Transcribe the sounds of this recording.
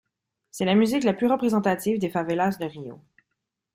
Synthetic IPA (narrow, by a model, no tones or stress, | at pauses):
sɛlamyziklaplyʁəpχezɑ̃t̪at̪ivd̪efavelasd̪əʁijo̰